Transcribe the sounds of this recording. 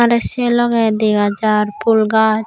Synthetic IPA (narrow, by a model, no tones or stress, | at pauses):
aɾɛʃelɔɡɛd̪eɡad͡ʒaɾpʰulɡa